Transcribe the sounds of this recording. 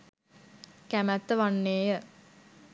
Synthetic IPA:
kæmæt̪ːəʋanːeːjə

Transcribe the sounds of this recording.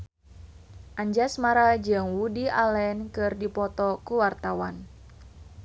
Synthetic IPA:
ʔaɲd͡ʒasmaɾad͡ʒɨŋwudialɛnkɨrdipɔt̪ɔkuwart̪awan

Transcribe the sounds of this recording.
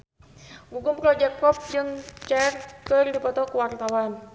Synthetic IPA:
ɡuɡʊmpɾɔd͡ʒɛkɔp̚d͡ʒɨŋt͡ʃɛrkɨrdipɔt̪ɔkuwart̪awan

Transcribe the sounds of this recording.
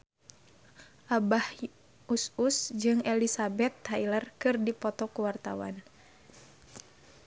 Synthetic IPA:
ʔabah | ususd͡ʒɨŋɛlisabɛt̪ːailərkɨrdipɔt̪ɔkuwart̪a̰wa̰n

